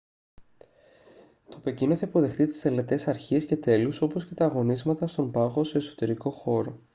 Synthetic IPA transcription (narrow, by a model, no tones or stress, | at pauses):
t̪ope̞cinoθeipo̞ðe̞xt̪it̪i̥st̪e̞le̞t̪e̞sɐɾçiesce̞t̪e̞luso̞po̞sce̞t̪ɐːɣo̞nizmɐt̪ɐst̪o̞mpɐɣo̞se̞ːso̞̥t̪e̞ɾiko̞xo̞ɾo̞